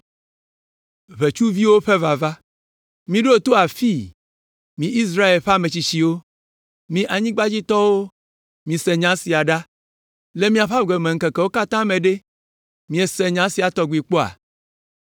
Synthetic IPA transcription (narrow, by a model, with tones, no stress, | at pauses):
βe˨t͡ʃu˦vi˦wo˦ɸe˦va˨va˦ | mĩ˦ɖo˦o˨t̪o˦a˨fi˦ | mĩ˨ʔi˦s̬ɾa˦e˨lɸe˦a˦˨mẽ˨t͡ɕi˨t͡ɕi˨wo˦ | mĩ˨ʔa˨ɲĩ˦ɡ͡ba˦d͡ʑi˦t̪ɔ˦wo˦ | mĩ˨sɛ˨ɲã˨˦si˨a˨ɖa˦ | le˦mĩ˦a˨ɸa˦˨ɡe˨me˨ŋ̩˦ke˨ke˨wo˦ka˦t̪ã˦mẽ˨ɖe˦ | mĩ˦e˨sɛ˨ɲã˦si˨a˨t̪ɔ˦ɡʷi˨k͡po˦a̰˨